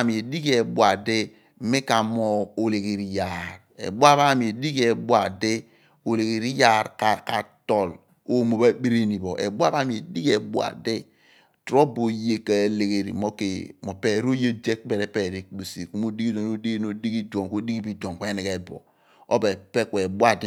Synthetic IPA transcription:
mi˨e˨di˦ke˨bʷa˨de˦ | me˦ka˨mo˨o˨le˨ɡe˨ɾi˨ja˨ɾ | ḛ˨bʷa˦βa˦˨mi˨e˨di˦ke˨bu˦a˨de˦ | o˨le˨ɡe˨ɾi˦ja˦˨ɾka˨ka˨tɔ˨l | o˦mo˨ba˦k͡pe˦ɾe˦ni˨bɔ˨ʔḛ˨bu˦a˦βa˦mi˨e˨di˦ke˨bu˦a̰˨de˦ | tɾo˦bo˨je˦ke˨le˨ɡe˨ɾḭ˨mo˦ke˨mo˨pe˨ɾo˦je˦d͡ʒe˦kbɛ˨ɾɛ˦pe˨ɾi˦˨k̚bu˨si˨ku˦mo˦di˦ɡi˦do˨no˦di˦no˨di˦ki˦dʷo˨ŋko˦di˦ki˦bi˦do˨ŋkʷe˦ni˨ke˨bɔ̰˨ | o˦be˨pe˦kʷe˨bu˦a˦de˦

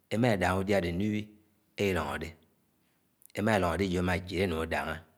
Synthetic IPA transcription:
e˦ma˦e˨da˨ŋ˦u˦dja˦˨de˨n˦i˦wi˦ | e˦ji˦lɔ˨ŋo̰˨de˦ | e˦ma˦e˨lɔ˨ŋo˨de˦d͡ʒo˦e˦ma˨d͡ʒe˨ɾe˦nu˨ŋo˨˦da̰˨ŋe˦

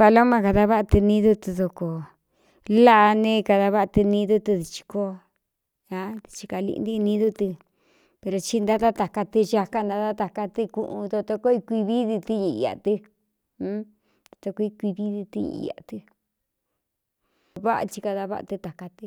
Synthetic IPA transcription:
fa˧lo˦mã˧ka˧ða˧βa˦ʔt̪i˧nĩ˦ðu˦t̪i˧ðo˧ko˨ | la˦ʔnẽ˦˧ka˧ða˧βa˦˧t̪i˧nĩ˦ðu˦t̪i˧ði˧t͡ʃi̥˧ko˦ | a˧t̪i̥˧t͡ʃi̥˧ka˧lḭ˧n˦d̪i˦˧nĩ˧˦ðu˦t̪ɨ˧ | pe˧ɾo˧t͡ʃi˦˧nd̪a˦t̪a˦t̪a˨ka˧t̪i˧t͡ʃa˧ka˦nd̪a˧t̪a˦t̪a˨ka˧t̪i˧kṵ̃˧ʔũ˧t̪o˧t̪o˧ko˦i˧kʷi˧βi˦ði˧t̪i˦ɲḭ̃˧˨ja̰˨t̪ĩ˧˦ | t̪ḁ˧t̪o˧ko˧i˧kʷi˧βi˦ði˧t̪i˧˦ɲḭ̃˧a̰˨t̪ɨ˧ | βa˦ʔa̰˧t͡ʃi˧ka˧ða˧βa̰˦ʔa̰˧t̪ɨ˧t̪a˨ka˧t̪i˧

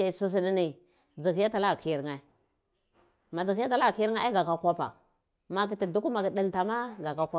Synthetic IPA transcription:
a˨su˦s̬i˦di˦ni˨ | d͡zi˨ki˦ja˦ta˨la˦˨ki˨˦ɾŋa˨ | ma˨d͡zi˨xi˦ja˦ta˦la˦˨ki˦ɾa˦a˦ɡa˨ka˨kʷa˦pa̰˨ | ma˨k̬i˨ti˨du˦ku˦ma˨ki˨di˦nta˨ma˦ɡa˨ka˦kʷa˦

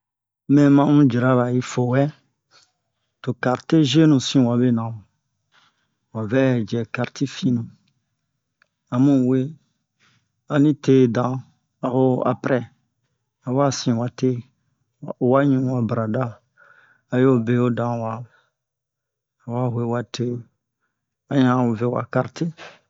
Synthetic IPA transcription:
mɛ̃˨mã˦mũ˦d͡ʒi˨ɾa˦ba˨ji˦fo˨wɛ˦ | to˨ka˨ɾte˦ʒe˦nũ˨sĩ˦˨wa˨be˦nã˨wo˨ | wa˨vɛ˦˨d͡ʒɛ˨ka˨ɾti˦fĩ˦nũ˨ | a˨mũ˦˨we˦ | a˨nĩ˦te˦˨dã˨ | a˨ho˦a̰˨pɾɛ˦ | a˨wa˦sĩ˨wa˨te˦ | a˨o˨wa˦ɲũ˦wa˨bɾa˨da˦ | a˨jo˦be˨o˦dã˨wa˨ | a˨wa˦we˦˨wa˨te˦ | a˨ɲã˨˦o˨ve˨wa̰˨ka˨ɾte˦

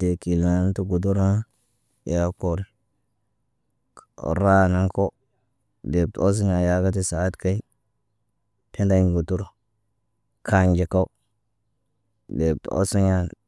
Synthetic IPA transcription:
de˨ki˨la˨˦n˦tu˦ɡu˨du˦ɾa˦ | ja˦ko˨ɾi˨ | ɾa˦˨na˦ŋko˦ | de˨b̚to˦s̬i˦ɲa˨ja˦ɡa˦t̬i˦sa˨˦tka˦i˦ | pʰe˦da˦ɲ˨ɡu˨du˦ɾo˨ | kʰa˨ɲd͡ʒe˨ka˦u˦ | de˨b̚to̰˦si˦ɲa˦

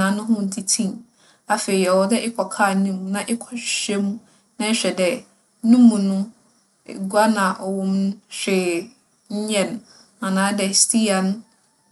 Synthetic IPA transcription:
ã˨˦nʊ̃˦ɦʊ̃˦n̩˨tʰi˦tʰĩ˦m | a˨fe˨i˨ɛ˨wɔ˨dɛ˦ʔɪ˦kʰɔ˨kʰa˦˨nĩ˦mũ˨nã˨ʔɪ˦kʰɔ̥˨ɕɛ˦mũ˦ | nã˦ɕᶣɛ˨dɛ˨ | nũ˦mũ˨nʊ̰̃˦˨ | ɡu˦a˦nã˨ʔwɔ̃˦mñ˦ɕᶣɪ˨ | ɲ̩˦ɲɛ̃˦n˨ | ã˨nãː˨˦dɛ˨stʰi˦a˨n˦

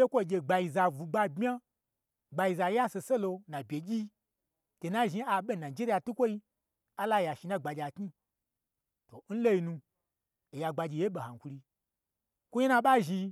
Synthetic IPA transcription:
e˦kʷo˦˨ɡʲe˧ɡ͡ba˧ji˧za˧vu˨ɡ͡ba˧bmʲ˦a˦ | ɡ͡ba˧i˧za˧˨ja˦se˧se˦lo˧nã˨bʲe˨ɡʲi˦ | te˨na˦ʒi˧˦a˧ɓʲe˦˨na˨d͡ʒe˦ɾi˦ja˧˨tu˦kʷo˦i˧ | a˦la˦˨ja˨ʃi˧˨nã˦ɡ͡ba˧d͡ʒʲa˨kɲi˦ | to˨n̩˦lo˦ji˧nũ˧ | e˨ja˧ɡ͡ba˧d͡ʒʲi˧˨je˦ɓe˨ha˨kʷu˧ɾi˧ | kʷu˦ɲe˦nã˧ɓa˦ʒi˧

